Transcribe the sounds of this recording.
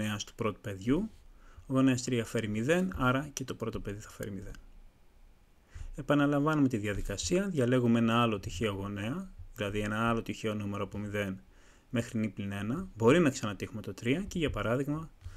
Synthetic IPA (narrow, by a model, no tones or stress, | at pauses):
eɐst̪u̥pɾo̞t̪u̥pe̞ðʝuoɣo̞neɐst̪ɾiɐfe̞ɾimiðe̞nɐɾɐce̞t̪o̞pɾot̪o̞pe̞ðiθɐfe̞̰ɾimiðen | e̞pɐnɐlɐɱvɐnume̞t̪iðjɐðikɐsiɐðʝɐle̞ɣumeenɐɐlo̞t̪içeo̞ɣo̞ne̞ɐðilɐðie̞nɐɐlo̞t̪içeo̞nume̞ɾoɐpomiðe̞n | me̞xɾinipline̞nɐbo̞ɾinɐksɐnɐt̪ixume̞t̪o̞t̪ɾiɐceʝɐpɐɾɐðiɣmɐ